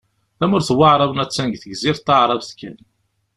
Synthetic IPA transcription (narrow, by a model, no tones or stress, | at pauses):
θæmʊɾθwɑʕɾˤɑvnæt͡sːænɡθəɡziɾt̪ːɑʕɾˤɑvθkːæn